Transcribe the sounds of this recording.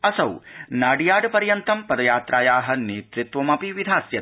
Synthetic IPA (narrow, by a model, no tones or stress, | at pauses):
ɐsɐwnaːɖijaːɖpɐɾjɐnt̪ɐmpɐd̪ɐjaːt̪ɾʔaːjaːɦɐ̆neːt̪ɾit̪ʋɐmɐpiʋid̪ʱaːsjɐ